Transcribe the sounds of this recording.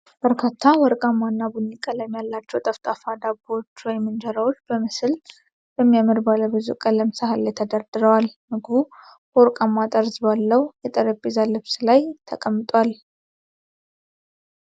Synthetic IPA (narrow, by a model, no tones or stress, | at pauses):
b̥əɾkʰat̪ʰːawɔɾkʼamːanːabunikʼaləmijalːat͡ʃːɛwt̪ʼəft̪ʼafad̪abot͡ʃːlajmɨnd͡ʒəɾawot͡ʃːbəmɨsɨl | b̥əmːijamɨɾbaləbɨzṵkʼələmsahalːajt̪ʰəd̪aɾd̪ɨɾəwalmɨɡbu | woɾkʼamːat̪ʼəɾzbalːəwjɛt̪ʼəɾəbezalɨβsɨlajt̪ʰə̰kʼəmːɨt̪ʼwal